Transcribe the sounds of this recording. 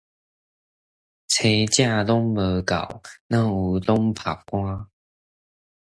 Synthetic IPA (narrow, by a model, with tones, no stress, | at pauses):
t͡sʰe˨˧t͡ɕja˥˧lɔ˦ŋbə˨˧˦ka̰˨˩wnã˥˩u˨˧˦lɔ˦ŋpʰa˨˩p̚kwã˦